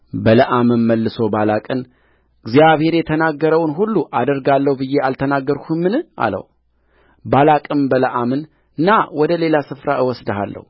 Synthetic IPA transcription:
bələʔamɨnməlːɨso̞balakʼɨn | ɨɡzijaβhe̞ɾjɛt̪ʰənaɡːəɾəwnɦulːuʔad̪əɾɡalːəhubɨjːe̞alt̪ʰənaɡːəɾkʰumɨnɨʔa̰lə̰h | balakʼɨmbələʔamɨn | ɨnːawɔd̪əle̞lasɨfɾaɨwɔsd̪əɦalːə̰hu

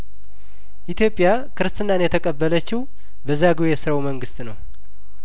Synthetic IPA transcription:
ʔit̪ʰjo̞pʼːɪja | kʰɨɾɨst̪ʰʼɨnːanjɛt̪ʰəkʼəbːələt͡ʃːɪhw | bəzːaɡɨejɛsɨɾawuməŋɡɨst̪nəw

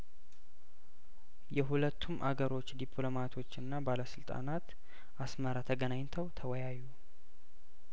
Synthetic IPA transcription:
jɛɦulət̪ʰːumʔa̰ɡəɾo̞t͡ʃːd̪ipʰlo̞mat̪ʰo̞t͡ʃːɨnːabaləsɨlt̪ʼa̰nat̪ | asməɾat̪ʰəɡənaɲt̪ʰəwt̪ʰəwɔjajːu

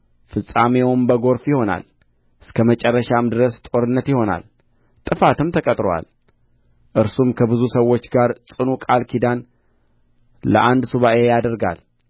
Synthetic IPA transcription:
fɨsʼamewʊmbəɡo̞ɾfjɪho̞na̰l | ʔɨskʰəmət͡ʃʼɛrːəʃamd̪ɨɾəst̪ʼo̞ɾɨnːət̪jɪho̞na̰l | t̪ʼɨfat̪ɨmt̪ʰəkʼət̪ʼɾowa̰l | ʔɨɾsumkʰəbɨzusəwːo̞t͡ʃːɡaɾsʼɨnukʼalkʰid̪an | lə̰ʔand̪suβaʔe̞jad̪əɾɡa̰l

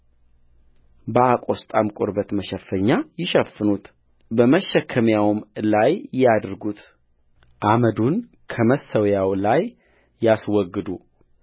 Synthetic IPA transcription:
bəakʼo̞st̪ʼamkʼoɾbət̪məʃəfːəɲːajɪʃəfːɨnut̪ | bəməʃːɛkʰːəmjawmlajjad̪ɾɡut̪ | ʔaməd̪un | kʰəməsəwjawlajː | aswɔɡːɨd̪u

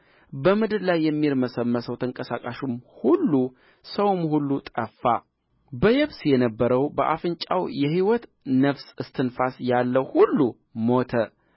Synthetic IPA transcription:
bəmɨd̪ɨɾlajːɛmːiɾməsəmːəsəwt̪ʰəŋkʼəsakʼaʃumhulːu | səwmhulːut̪ʼəfːa | bəjɛβsjɛnəbːəɾəwbəʔa̰fɨnt͡ʃʼawjɛhiwɔt̪ | nəfsɨst̪ʰɨnfasjalːəwhulːu | mo̞t̪ʰə

